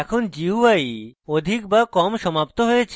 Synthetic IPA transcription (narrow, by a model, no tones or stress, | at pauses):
ɛkʰond͡ʑiajod̪ʱik̚bakɔmʃɔmapt̪oɦojet͡ɕʰ